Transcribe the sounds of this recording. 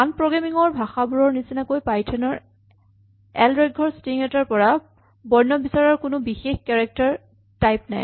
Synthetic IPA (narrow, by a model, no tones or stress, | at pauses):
anpɹɔɡamiŋɔɹbʱaxabuɹɔɹnisinakojpajtʰɛnɔɹ | ɛlɹɛɡʱɔɹstiŋɛtaɹpɔɹa | bɔɹnɔbisaɹɔɹkʊnʊbixexkɛɹɛk̚taɹ | tajpna̰j